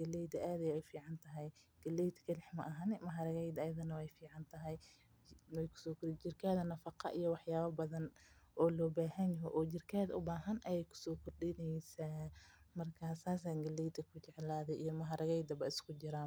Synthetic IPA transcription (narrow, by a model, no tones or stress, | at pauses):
ɡɐlːɛjd̪ɐʔaːðɐfiːʕɑnt̪ʰɐɦɛjɡ̥ɐlːɛjt̪ʰkʰɐlɛħmɐ̰ʔɦɐnɛmɐɦɐɾɐɣɛjd̪ɐjɐðɐnɐwɛjfiːʕɑnt̪ʰɐɦɛj | wɛjkʰʊ̥sɔːkʰɔrt͡ʃɪrkʰaːðɐnɐfɑqʰɑ̰ʔijɔwɑħjaːβɐbɐðɐn | ʔɔːlɔːbaːhɐnjɐɦɔʔɔːt͡ʃɪrkʰɛːðʊbaːɦɐnʔɐjɛjkʰʊ̥sɔːkʰʊrɗɪnɛjsaːmɐrkʰɐsaːsaːŋɡɐlːɛjd̪ʰɐkʰʊt͡ʃɛʕlaːðɛʔijɔmɐɦɐɾɐɣɛjd̪ɐbɐɪskʰʊd͡ʒɪɾaː